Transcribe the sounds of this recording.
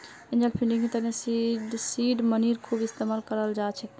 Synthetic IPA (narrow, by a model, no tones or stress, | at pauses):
ĩnd͡ʒəlpʰiɳɖiŋmet̪əɾesiɖsiɖməniɾkʰubist̪emalkəɾəld͡ʒat͡ʃʰɛ